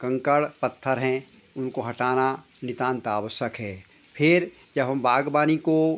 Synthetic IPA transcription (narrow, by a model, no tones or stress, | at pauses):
kɐ̃ŋkəɭpɐt̪ʰːəɾɦɛ̃ | ʊnkoɦɐʈaːna | nɪt̪ãːnt̪aːʋəsəkɦɛː | pʰɪɾ | d͡ʒɐbɦɐmbaːɡbaːniko